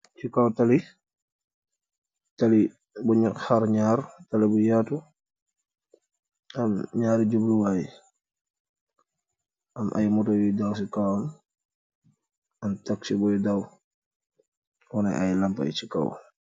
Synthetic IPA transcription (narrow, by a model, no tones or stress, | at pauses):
t͡ʃikawtali | tali | buɲakhaɾɲaːɾtalibujatu | amɲaːɾiɟubluwaj | amʔa̰jmutɔjidaws̬ikawam | ɐntaksibɔjdaw | wɔna̰ʔa̰jlampa̰jt͡ʃika̰w